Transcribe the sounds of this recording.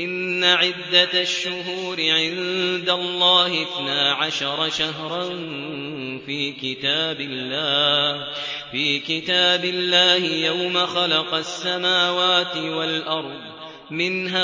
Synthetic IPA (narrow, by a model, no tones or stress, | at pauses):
ʔɪnːaʕɪd̪ːaʃːʊɦuːɾɪʕɪnd̪alˤːɑːhθnaːʕaʃɑɾˤɑʃaɦɾˤɑn | fiːkɪt̪aːbɪlːaːh | fiːkɪt̪aːbɪlːaːhɪjawmaxɑlɑqɑsːamaːwaːt̪ɪwalʔɑɾˤd̪ˤ | mɪnɦaː